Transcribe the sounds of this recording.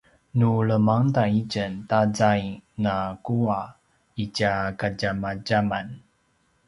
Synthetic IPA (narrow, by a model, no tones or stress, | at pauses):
nuləmaŋtaicəntazajnakua | icakaɟamaɟaman